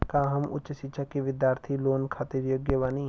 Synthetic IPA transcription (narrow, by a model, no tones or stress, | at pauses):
kãːɦɐmʊ̰t͡ʃʃɪtːʃʰakiʋɪd̪jaːɾt̪ʰiloːnkʰaːt̪ɪɾjoːɡjəʋaːni